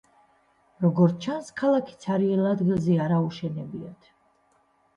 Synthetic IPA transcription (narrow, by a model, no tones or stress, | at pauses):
ɾɔɡɔɾt͡ʃʰanskʰalˠakʰi̥t̪sʰaɾiɛlad̪ɡilˠzɛaɾauʃɛnɛbiɔt̪ʰ